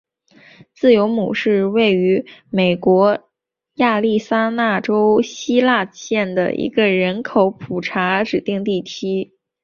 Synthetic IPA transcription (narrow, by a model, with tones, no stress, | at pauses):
t͡sɹ̩˥˩jo˧˥ʊmṵ˨˩ʂɻ̩˥˧we˥˩ɪy˧˥me˨˩ɪkwɔ˧˥ | ja˥˧li˥˩sa˥na˥˩ʈ͡ʂo˥ʊɕi˥la˥˧ɕjɛ˥˩nd̪ə̰˩ʔḭ˧˥ɡə˧ɻə˧˥nkʰo˧˥ʊpʰu˨˩ʈ͡ʂʰa˧˥ʈ͡ʂɻ̩˨˩t̪i˥˧ŋt̪i˥˩t̪ʰi˥